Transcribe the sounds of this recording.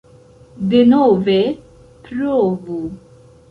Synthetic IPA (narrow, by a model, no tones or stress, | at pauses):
d̪ɪnɔːvɛ | pɾɔːvu